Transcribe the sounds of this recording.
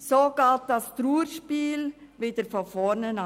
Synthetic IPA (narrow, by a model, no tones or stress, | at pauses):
soːɡ̥ɑːt̚d̥ɑstɾuːəɾʃpiːlʋɪd̥əɾfɔfɔnənɑ